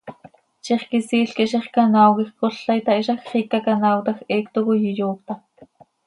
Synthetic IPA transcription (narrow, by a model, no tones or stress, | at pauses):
ʃiχkisiːɬkiʔʃiχkɑnɑːwɣixkoɬːɑjt̪ɑʔiʃɑxχikːɑkɑnɑːwt̪ɑxeːkt̪okojijoːkt̪ɑ